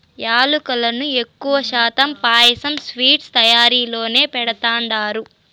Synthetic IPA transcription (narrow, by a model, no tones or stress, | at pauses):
jaːlukɐlɐnue̞kːuʋɐʃaːt̪ɐmpaːjɐsɐmsʋiːʈst̪ɐjaːɾiːlo̞ːne̞ːpɛɽɐt̪aːɳɖaːɾu